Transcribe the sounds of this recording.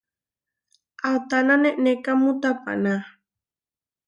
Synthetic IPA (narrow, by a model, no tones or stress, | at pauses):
awt̪ananeʔnekamut̪apa̰na